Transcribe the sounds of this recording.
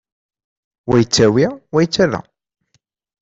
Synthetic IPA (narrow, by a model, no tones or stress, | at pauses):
wæjət͡sːæwiwæjət͡sːæðæ̰